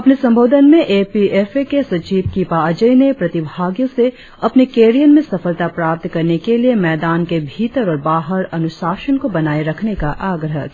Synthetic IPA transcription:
ɐpnesɐ̃mbʱoːd̪ʱənmẽʔeːpieːfekesɐt͡ʃiːbkipaːd͡ʒəinepɾɐt̪ɪbʱaːɡjõse | ɐpnekeːɾijənmẽsɐfəlt̪apɾaːp̚t̪kɐɾnekeliemɛːd̪aːnkebʱiːt̪əɾɔːɾbaːɦəɾɐnʊʃaːʃənkobɐnaːeɾɐkʰnekaʔaːɡɾəɦ

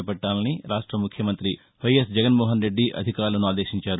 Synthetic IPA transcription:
ɐpɐʈːaːlɐniɾaːʂʈɾɐmukʰjɐmɐnt̪ɾi | ʋɐjɐsd͡ʒɛɡɐnmɔːɦɐnɾe̞ɖːiʔɐ̰d̪ʱikaːɾlɐnuaːd̪e̞ːʃiɲt͡ʃaːɾu

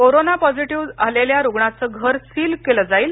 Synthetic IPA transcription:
koɾonapɔd͡ziʈiʋaleljaɾuɡɳat͡səːɡʱəɾsiːlkeləd͡zaiːl

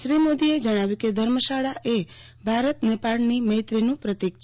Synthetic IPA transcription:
ʃɾimod̪ied͡ʒəɽ̃aʋjũked̪ʱəɾməʃaɭaʔe | bʱaɾət̪nepaɭniməɦjt̪ɾinũpɾət̪ikt͡ʃʰ

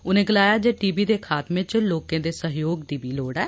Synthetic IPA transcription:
ʊnẽːɡɪlaːjaːd͡ʒeːʈiːbiːd̪eːkʰaːt̪mẽːt͡ʃloːkẽːd̪eːsəɦjoːɡd̪iːbiːloːɽɛː

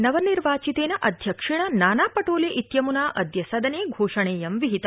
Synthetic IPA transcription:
nɐʋɐniɾʋaːt͡ʃit̪eːnɐʔɐd̪ʱjɐkʂiɳ̃ɐnaːnaːpɐʈoːleʔit̪jɐmunaːʔɐd̪jɐsɐd̪ʱɐneːɡʱoːʂɐɳeːjɐmʋiɦit̪ɐ

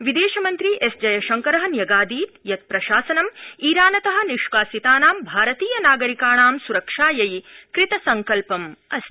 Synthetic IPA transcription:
ʋid̪eːʃɐmɐnt̪ɾiʔesd͡ʒɐjɐʃɐŋkɐɾɐɦɐ̆njɐɡaːd̪iːt̪jɐt̪̚pɾɐʃaːsɐnɐmiːɾaːnɐt̪ɐɦɐ̆niʃʋaːsit̪aːnaːmbʱaːɾɐt̪iːjɐnaːɡɐɾikaːɳaːmsuɾɐkʂaːjɐjkɾit̪ɐsɐŋkɐlpɐmɐs

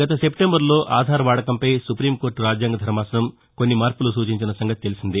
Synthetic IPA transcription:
ɡ̥ɐt̪ɐse̞pʈembɐɾlo̞ːʔaːd̪ʱaːɾɐʋaːɽɐkɐmpɐjsupɾiːmkoːɾʈɾaːd͡ʒjaːŋɡɐd̪ʱɐɾɐmaːsɐnɐm | konːimaːɾpulusuːt͡ʃiɲt͡ʃinɐsɐŋɡɐt̪̚t̪e̞lisind̪i

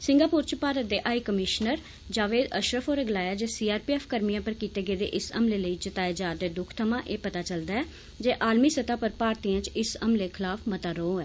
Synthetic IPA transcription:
sɪ̃ŋɡaːpuːɾt͡ʃpaːɾət̪̚d̪eːʔaːiːkəmɪʃnəɾ | d͡ʒaːʋeːd̪ə̰ʃɾəfʰoːɾəɡlaːjaːd͡ʒeːsiːaːɾpiːɛːfʰkəɾmijãːpəɾkiːt̪eːɡeːd̪ḛːʔɪsə̰mleːləiːt͡ʃət̪aːeːd͡ʒaːɾd̪eːd̪ʊkʰt̪ʰəmãːʔeːpət̪aːt͡ʃəld̪aːɛː | d͡ʒeːʔaːlmiːsət̪aːpəɾpaːɾt̪iːjãːt͡ʃɪsəmleːkʰɪlaːfʰmət̪aːɾoõːɛː

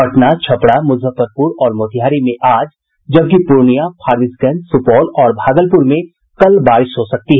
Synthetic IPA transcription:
ɐʈnat͡ʃʰɐpɽamʊzəpəɾpuɾɔːɾmoːt̪ʰijaːɾimẽʔaːd͡ʒ | d͡ʒɐb̚k̬ipuːɾɳijapʰaːɾɪsɡə̃nsʊpɔːlɔːɾbʱaːɡəlpʊɾmẽ | kɐlbaːɾɪʃɦosɐk̚t̪iɦɛ

